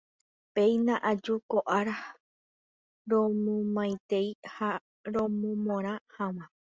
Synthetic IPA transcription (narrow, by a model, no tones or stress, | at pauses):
pe̞jnãʔad͡ʒukoʔaɾa | ɾõmõmãjt̪e̞jha | ɾõmõmõɾ̃ãhamã